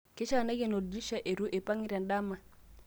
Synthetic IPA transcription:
ke˦t͡ʃa˨na˦ke˦˨no˨di˦ʃa˦˨ʔe˨ɾu˦ʔe˨pa˦ŋi˦ɾa˨nda˦ma˨

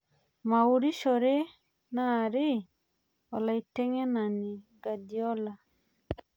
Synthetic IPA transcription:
ma˨u˨ɾi˦ʃɔ˨ɾe˦ | na˦˨ɾɪ˦ | ɔ˨la˨i˨tɛ˦ŋɛ˦na˨ni˨ɡa˨di˨ɔ˦la˨

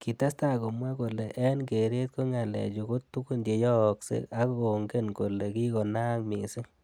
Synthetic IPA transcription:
ki˨ta˦sta˦ko˨mwɛ˦ko˨le˨ʔɛ˦nke˨ɾe˦t̪̚ko˦ŋa˨lɛ̰˨t͡ʃo˨ko˦t̪u˦ku˦nde˨jɔ˦˨ksḛ˨ka˦ko˨ŋɡe˦nko˨le˨ki˦ko˨na˦ŋmḭ˨se˦ŋ

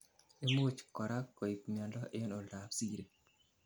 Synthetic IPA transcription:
e˦mo˦t͡ʃkɔ˨ɾa˦kːɔ˨i˨kmjɔ˨ndɔ˦ʔɪ˦no˨la˨psi˦ɾe˨

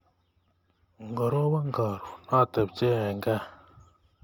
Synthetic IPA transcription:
ŋ˨ɡɔ˨ɾo˦wa˦ŋ˦ɡa˨ɾu˨na˦˨tə˨p̚t͡ʃe˦ɛ˨ŋ˦ɡa˦

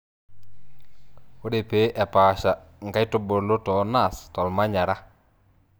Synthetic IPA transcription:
o˦de˨pe˨˦ʔɛ˨paː˨ʃa˨ŋɡa˦jto˨bo˨lo˦tɔ˨˦na˨stɔ˨lma˦ɲa˨ɾa˦

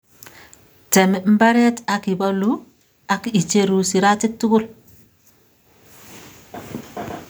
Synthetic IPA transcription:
tɛ˨mɛ˨m̩˦ba˦ɾɛ˦ta˨ki˨ba˦lu˦ | a˨ki˨t͡ʃe˦ɾu˨si˨ɾa˦ti˦k̚tu˦ɡu˦l

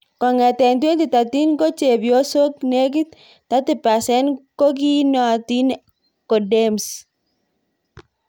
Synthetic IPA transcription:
kɔ˨ŋɛ˨t̪ɛ˨ntwe˦ndi˨ta˨t̪i˦nko˦t͡ʃe˨bjo˦so˦kne˦k̬ɪ˦t̪̚ː | a˦t̪ɪ˨pa˨sɛ˦nko˦k̬i˦nɔ˨ti˦n | ko˨de˦ms

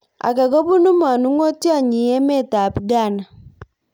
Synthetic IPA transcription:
a̰˨ka˨ɡɔ˦bu˦nu˦ma˨nu˦ŋo˦tja˦˨ɲɪ˨ɛ˦mɛ˦ta˨pɡa˦˨na˨

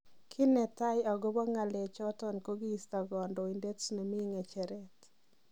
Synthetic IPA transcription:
kʰɪ˦nɛ˨ta˦ja˨ɡo˦bɔ˦ŋa˨lɛ˨t͡ʃɔ˦tɔ˨nko˦ɡi˦˨sta˨ɡɔ˨ndɔ˨i˨nde˦tno˨mi˦ŋe˨t͡ʃɛ˨ɾɛ˦t

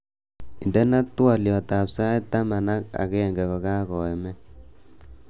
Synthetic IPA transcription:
i˨ndɛ˦na˦twa˨ljɔ˨ta˨psa˦ɛ˦ta˦ma˨na˦ka̰˨kɛ˦˨ŋɡɛ˨kɔ˨ka˦kɔ˨ɛ˨mɛ˦

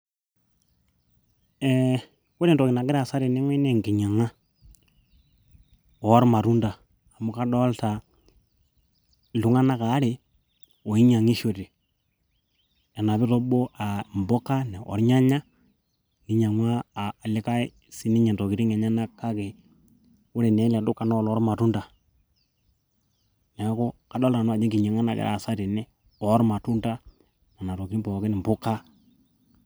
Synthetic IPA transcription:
ɛ | ko˦ɾɛ˨ntɔ˨kɪ˨na˨ɡɪ˦ɾa˨sa˦ɾi˨nɛ˦ŋwɛ˦nɛ˨ŋɡɪ˨ɲa˨ŋa˦ | ɔ˨˦ɾma˨ɾu˦ndaː˨ | mʊ˨˦ka˦dɔ˦lta˨ | lu˨ŋa˦na˦ka˨˦ɾɪ˨ | ɔ˨i˦ɲa˨ŋi˦ʃo˨ti˨ | ɛ˨na˨βɪ˦ɾɔ˦bo˦ʔa˨mbɔ˦ka˦nɛ˨ʔɔ̰˨ɾɲa˦ɲa˦ | ni˦ɲa˨ŋwa˦aː˨lɪ˦ka˦ɪ˦ | si˦nɪ˦ɲɛ˨tɔ˨ki˨ɾi˦ŋɛ˨ɲa˦na˦kːa˦ke˨ | ʊ˦ɾe˨nɛ˨˦la˨dʊ˦kːa˨nɔ˦˨lɔ˦ɾma˨tu˦nda˨ | nɛ˨˦ko˦ka˨˦dɔ˦la˨nʊ˦a˨d͡ʒɪ˦ki˨ɲɛ˨ŋa˦na˨kɛ̰ɾa̰˨sa˦ti˨nɛ˦ | ɔ˨˦ɾma˨tu˦nta˦ | na˨na˨to˨kiɾi˦mpɔ˨kɪ˦nɪ˨m˨bʊ˦ka˦

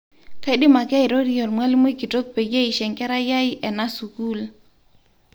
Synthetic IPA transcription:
ka˨˦i˦dɪ˦ma˨ka˦ɪ˨ɾo˦ɾi˦ɔ˨lmwa˦li˦mo˦i˦ki˨to˦k̚pe˨ɡe˦i˨ʃɛ˨ŋkɛ˦ɾa˦ja˦ɪ˦ʔɛ˨na˦su˨ku˦l

